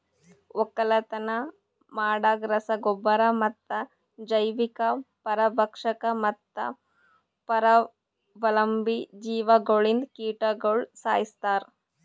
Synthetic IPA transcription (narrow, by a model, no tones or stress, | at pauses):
ɔkːɐlɐt̪ɐnɐ | maːɽaɡɾɐsɐɡobːɐɾɐmɐt̪ːɐ | d͡ʒɐjʋikɐpɐɾɐbʱɐkʂɐkɐmɐt̪ːɐ̰ | pɐɾɐ | ʋɐlɐmbid͡ʒiːʋɐɡoɭind̪kiːʈɐɡoɭsa̰ːjist̪aːɾ